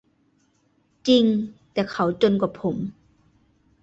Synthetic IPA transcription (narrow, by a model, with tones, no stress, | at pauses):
t͡ɕi˧ŋt̪ɛ˨˩kʰa˨˩wt͡so˥˧nkɔ˧˩pʰo˨˩˦m